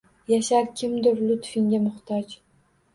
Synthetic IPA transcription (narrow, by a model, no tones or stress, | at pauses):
jaʃaɾkʲʰɪmd̪ɪɾlʊt̪fɪŋɡʲamʊχt̪ʰɒt͡ʃ